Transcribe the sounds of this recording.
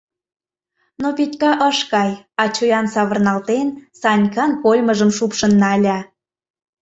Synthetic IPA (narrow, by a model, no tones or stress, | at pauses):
nopit̪ʲkɑʔəʃkɑjɑt͡ɕojɑnsɑβə̆rnɑlt̪ensɑnʲkɑnkolʲməʒəmʃupʃənːɑlʲɑ